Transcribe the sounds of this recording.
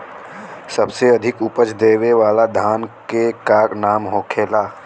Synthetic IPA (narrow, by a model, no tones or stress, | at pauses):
sɐbseɐd̪ʱɪkʊpət͡ʃʰd̪eːweʋaːlad̪ʱaːnkekaːknaːmɦoːkʰeːlaː